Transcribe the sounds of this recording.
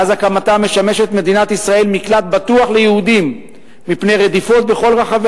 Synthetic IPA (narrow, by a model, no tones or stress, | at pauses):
azakamat̪ame̞ʃame̞ʃe̞t̪me̞d̪inat̪isʁae̞lmiklat̪̚bat̪uaχle̞jehud̪imː | ipne̞jʁed̪ifo̞t̪̚be̞χo̞lʁaχave